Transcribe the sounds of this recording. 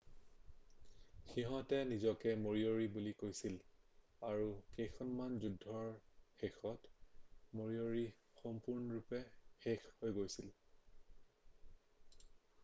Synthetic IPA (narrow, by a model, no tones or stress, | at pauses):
xiɦɔ̃tɛnizɔkɛmoɹioɹibulikojsil | aɹukejxʰɔnmanzudʱːɔɹxexɔtmoɹioɹi | xɔmpuɹnɔɹupɛxexhojɡojsil